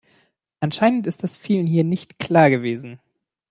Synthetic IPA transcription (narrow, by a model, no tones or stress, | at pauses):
ʔanʃaɪnəntɪst̚d̥asfiːlənɦiːɐnɪçtkl̥aːɐɡəveːzn̩